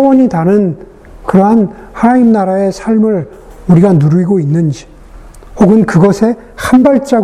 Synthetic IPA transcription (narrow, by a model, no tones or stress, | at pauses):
wʌɲitanɯn | kɯɾʌɦan | haimnaɾae̞sʰaɭmɯɭ | uɾiɡanuɾuiɡoinːɯnd͡ʑi | hoɡɯnkɯɡʌsʰe̞ | hambaɭt͡ɕ͈a